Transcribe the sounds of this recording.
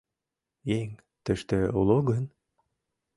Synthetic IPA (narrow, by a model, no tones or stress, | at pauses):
jeŋ | t̪ɘ̆ʃt̪øulˠoɣən